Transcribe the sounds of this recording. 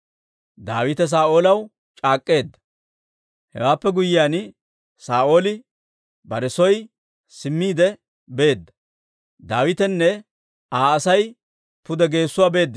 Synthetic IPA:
d̪a̰ːwɪt̪ɛs̬aːʔo̞ːlɐw | t͡ʃʼaːkʼːe̞ːd̪ːɐ̥ | hɛ̰waːpːɛɡʊjɪjaːn | saːʔo̞ːlɪ | bɐɾɛsɔj | sɪmːiːd̪ɛ | be̞ːd̪ːɐ̥ | d̪aːwɪt̪ɛnːɛ | aːɐsɐj | pʊd̪ɛɡe̞ːsːʊwaːbe̞ːd̪ː

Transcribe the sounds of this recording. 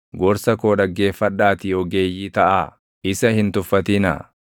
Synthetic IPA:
ɡɔɾsɐkoːᶑɐɡːe̞ːfːɐᶑːaːt̪ɪɔɡe̞ːjːiːt̪ɐʔaː | ɪsɐhɪnt̪ʊfːɐt̪ɪnɐ̰

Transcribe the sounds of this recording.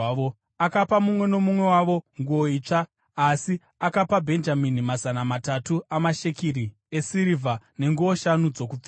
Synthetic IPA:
o | akapamumwe̞no̞mumwe̞waʋo̞ŋɡuo̞iːt͡ʂaː | si | akapabʱe̞nd͡ʒaminimazanamatatuamaʃe̞kiɾi | e̞siɾivʱane̞ŋɡuoʃanud͡zo̞kui

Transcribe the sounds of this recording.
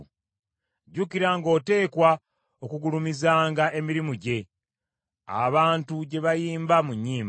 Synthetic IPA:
ɟukiɾaŋɡo̞ːte̞ːkwa | okuɡulumizaːŋɡaʔe̞miɾimuɟe̞ | a̰βaːntuɟe̞βajiːmbamuɲːiːm

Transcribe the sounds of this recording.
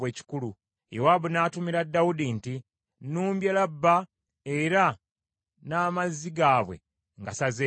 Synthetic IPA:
we̞ːci̥kulu | jewabunaːtumiɾadːawudinti | nuːmbjelabːa | eɾa | naːmazːiɡaːβwe̞̰ | ŋɡasaze

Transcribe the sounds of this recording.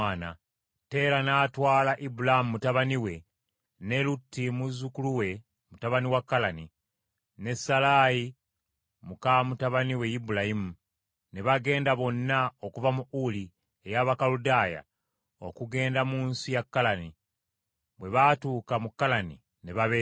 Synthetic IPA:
ana̰ | te̞ːɾanaːtwaːlaʔibulaimumutaβaniwe̞ | ne̞lutːimuzukuluwe̞ | mutaβaniwakːalani | ne̞sːalaːji | mukamutaβaniwe̞jibulahimu | ne̞βaɡe̞ːndaβo̞nːaokuvamuuli | ejaβakaludaːja̰ | o̞̰kuɡe̞ːndamuːnsijakːalani | βwe̞βatuːkamukːalanḭ | neβaβe

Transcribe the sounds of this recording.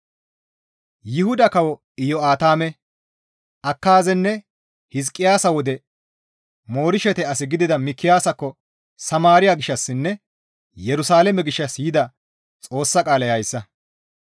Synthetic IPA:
jɪhʊd̪ɐkɐwɔ | ɪjɔaːt̪aːmɛ | ʔɐkːaːzɛnːɛ | hɪs̬kʼːɪjaːsɐwɔd̪ɛ | mo̞ːɾɪʃɛt̪ɛɐsɪɡɪd̪ɪd̪ɐmɪkʰːɪjaːsɐkːɔ | sɐmaːɾɪjaɡɪʃːɐsːɪnːɛ | jɛɾʊsaːlɛmɛɡɪʃːɐsjɪd̪ɐ | t͡sʼo̞ːsːɐkʼaːlɐjɐjsːɐ

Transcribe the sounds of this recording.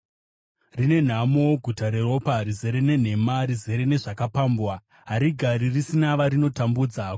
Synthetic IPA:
rine̞n̤amo̞ɡʱutaɾe̞ro̞parize̞ɾe̞ne̞n̤e̞marize̞ɾe̞ne̞ʐakapambwa | ɦaɾiɡʱaɾirisinaʋaɾino̞tambuːd͡za

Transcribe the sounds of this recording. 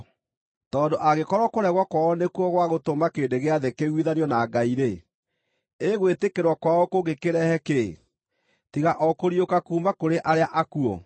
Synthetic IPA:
tɔːndoʔaɣekɔɾwɔkoɾɛɣwakwaɔnekuɔɣwaɣotomakeːndeɣeaðekeɣwiðaniɔnaɡaiɾe | eɣwetekeɾwɔkwaɔkoɣekeɾɛhɛke | tiɣaʔɔkoɾiokakuːmakoɾeʔaɾeaʔakuɔ̰

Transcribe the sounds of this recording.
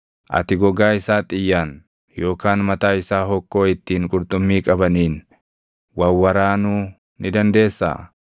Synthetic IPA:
ʔɐ̰t̪ɪɡɔɡaːɪsaːt̪ʼɪjːaːn | jo̞ːkaːnmɐt̪aːɪsaːɦɔkːo̞ːɪt̪ːiːŋkʼʊɾt̪ʼʊmːiːkʼɐbɐniːn | wɐwːɐɾaːnuː | nɪd̪ɐnd̪e̞ːsːa̰ː

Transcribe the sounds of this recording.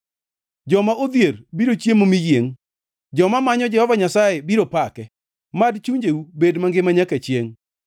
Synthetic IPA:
d͡ʒɔmaʔod̪jeɾbiɾot͡ʃjemomijeŋ | d͡ʒɔmamaɲɔd͡ʒɛhɔvaɲasajebiɾopakɛ | madt͡ʃuɲd͡ʒeubedmaŋɡɪmaɲaket͡ʃjeŋ

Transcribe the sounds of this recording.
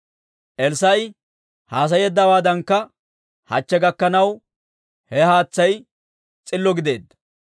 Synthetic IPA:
ʔɛlsɐj | haːs̬ɐjɛd̪ːɐwaːd̪ɐŋkːɐ | hɐ̰t͡ʃːɛɡɐkːɐnɐw | hɛhaːt͡sːɐj | t͡sʼɪlːɔɡɪd̪e̞ːd̪ːɐ̥

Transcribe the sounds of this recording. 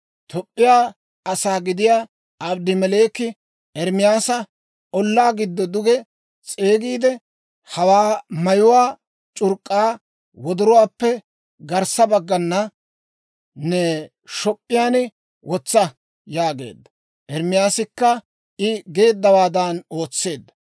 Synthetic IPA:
t̪ɔpʼːɪjaː | ɐsaːɡɪd̪ɪjaː | ɐbd̪ɪmɛleːkɪ | ɛɾmɪjaːsɐ | ɔlːaːɡɪd̪ːɔd̪ʊɡɛ | t͡sʼe̞ːɡiːd̪ɛ | hɐwaːmɐjʊwaː | t͡ʃʼʊɾkʼːaː | wɔd̪ʊɾɔwaːpːɛ | ɡɐɾsɐbɐɡːɐnːɐ | nɛ | ʃɔpʼːɪjaːnɪ | wʔɔt͡sːɐ | jaːɡe̞̰ːd̪ːɐ | ʔɛɾmɪjaːsɪkːɐ | ɪɡe̞ːd̪ːɐwaːd̪ɐno̞ːt͡sːe̞ːd̪ːɐ̥

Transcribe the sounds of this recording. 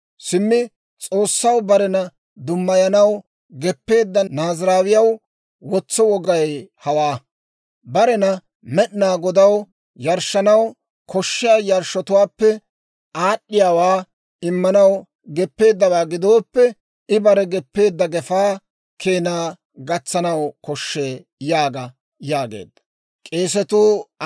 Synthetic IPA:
sɪmːɪ | t͡sʼo̞ːsːɐwbɐɾɛnɐ | d̪ʊmːɐjɐnɐw | ɡɛpːe̞ːd̪ːɐnaːzɾaːwɪjɐw | wɔt͡sːɔwɔɡɐjhɐwaː | bɐɾɛnɐ | mɛɗnaːɡɔd̪ɐw | jɐɾʃːɐnɐw | kʰɔʃːɪjaːjɐɾʃɔt̪ʊwaːpːɛ | ʔaːɗːɪjaːwaː | ɪmːɐnɐw | ɡɛpːe̞ːd̪ːɐwaːɡɪd̪o̞ːpːɛ | ɪbɐɾɛɡɛpːe̞ːd̪ːɐɡɛfaː | kʰeːnaː | ɡɐt͡sːɐnɐwkɔʃːeː | jaːɡɐ | jaːɡḛːd̪ːɐ | kʼeːs̬ɛt̪uː

